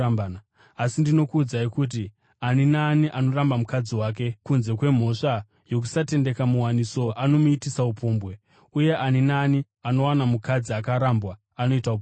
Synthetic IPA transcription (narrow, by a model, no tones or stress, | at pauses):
an | asindino̞kuːd͡zaikut̬i | aninaːniʔano̞rambamukad͡ziwaːk̬e̞kunze̞kwe̞m̤o̞ʂa | jo̞k̬u̥sate̞nde̞kamuwaniso̞ʔano̞muitisaupoːmbwe̞ | uje̞ʔaninaːni | ano̞wanamukad͡ziakaɾambwaːno̞itaup